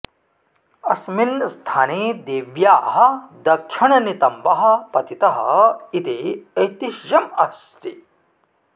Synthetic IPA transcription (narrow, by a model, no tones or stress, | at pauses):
ɐsminst̪ʰaːnid̪eːʋjaːɦɐ̆d̪ɐkʃiɳɐnit̪ɐmbɐɦɐ̆pɐt̪it̪ɐɦɐ̰it̪iɐjt̪iʃjɐmɐs | t̪i